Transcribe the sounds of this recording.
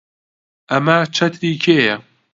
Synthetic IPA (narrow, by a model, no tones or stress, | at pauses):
ɐmɐt͡ʃʰɐt̪ʰɾiːkʰeːjɐ